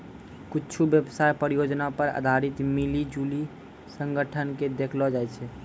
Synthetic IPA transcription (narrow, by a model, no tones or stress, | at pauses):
kitːt͡ʃʰubjəbsajpəɾijod͡ʒnapəɾa̰d̪ʱaɾit̪milid͡ʒuli | sə̃ŋɡəʈʰənked̪ekʰlɔd͡ʒajt͡ʃʰɛ